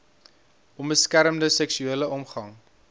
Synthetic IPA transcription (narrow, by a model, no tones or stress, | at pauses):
ʔɔnbəskæɾəmdəsɛksyiələʔɔmχɐŋ